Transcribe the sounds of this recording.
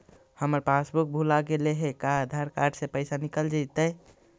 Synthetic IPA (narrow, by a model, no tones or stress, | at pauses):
həməɾpasbuk̚bʱulaɡeleɦekad̪ʱaɾkaɾɖsepəɪsanikəld͡ʒat̪ə